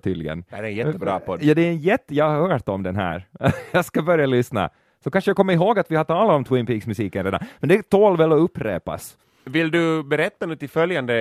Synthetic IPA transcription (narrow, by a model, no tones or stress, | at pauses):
t̪ʰy̰ːd̪lɪ̰ɡə̰næɾɛnjɛt̪ːəbɾɑ̰ːpʰɔd̪jɑːd̪ɛɛnjɛt̪ːjɑːahœːʈɔmd̪ɛnɦæ̰ːɾjɑːskabœɾjalʏsna̰ | sɔkanʂəjaɡkʰɔmːəɪɦoːɡat̪ʋɪhat̪ɑːlaɔmt̪ʰwɪŋpiːksmʉsiːkənɾeːd̪a̰mɛnd̪ɛt̪ʰoːlvɛlːɔɵpːɾḛːpa̰s | vɪld̪ɵbɛɾɛt̪ːanʉːt̪ɪlfœljand̪ə